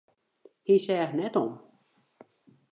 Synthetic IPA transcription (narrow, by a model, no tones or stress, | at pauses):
hisɛːxnɛtɔm